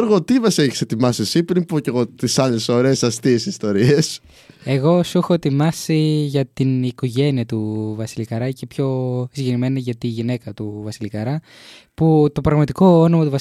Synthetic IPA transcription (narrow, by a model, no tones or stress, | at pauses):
ɾɣot̪ivɐsieçiset̪imɐsiesipɾimpuceɣot̪isɐle̞soɾesɐst̪isist̪o̞ɾies | e̞ɣo̞suxo̞et̪imɐsiʝɐt̪iniko̞ʝe̞niɐt̪uvɐsilikɐɾɐce̞pço̞siɲɟeɾime̞niʝɐt̪iʝine̞kɐt̪uvɐsilikɐɾɐ | put̪o̞pɾɐɣmɐt̪iko̞onomɐt̪uvɐ